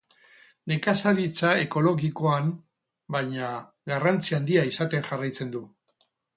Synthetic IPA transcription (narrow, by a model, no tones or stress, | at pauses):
ne̞kasaβit͡sae̞ko̞lo̞ɣiko̞am | baɲa | ɡarant͡siand̪iaisat̪e̞ŋʝarajt͡se̞nd̪u